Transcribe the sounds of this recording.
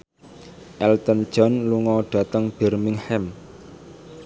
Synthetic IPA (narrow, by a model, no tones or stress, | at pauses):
ʔɛlt̪ənd̥d͡ʒ̥ɔ̤nluŋɔɖ̥ä̤t̪əŋb̥ɛrmɪŋhɛm